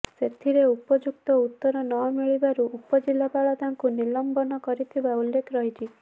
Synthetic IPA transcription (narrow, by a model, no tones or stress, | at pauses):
set̪ʰiɾeupɔd͡ʒuk̚t̪ɔut̪ːɔɾɔnɔmiɭibaɾuʔupɔd͡ʒilːapaɭɔt̪aŋkunilɔmbɔnɔkɔɾit̪ʰibaulːekʰɾɔɦit͡ʃʰi